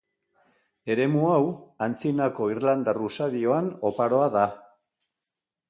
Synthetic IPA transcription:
e̞ɾe̞muawant͡sinako̞irland̪arusaðio̞ano̞paɾo̞aða

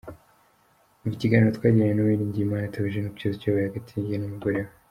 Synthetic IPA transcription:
uiciɡaːniɾotkwaːɟeɲenuwiɾiːɲɟijimaːnjatʰaβiʒenupcozcaβajaɡatʰiːɲɟienumuɡoɾeɾa

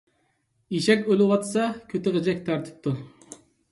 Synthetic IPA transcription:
iʃɛkʲølɪwɑt̪sɑkʲʰøt̪ʰɪʁəd͡ʒɛk̚ʲt̪ʰɑɾt̪ʰɨ̥p̚t̪ʰu

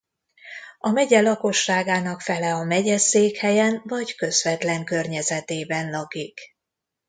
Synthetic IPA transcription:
ɒmɛɟɛlɒko̞ʃːaːɡaːnɒkfɛlɛɒmɛɟɛseːkhɛjɛnvɒɟkø̞zvɛt̪lɛŋkørɲɛzɛt̪eːbɛnlɒkik

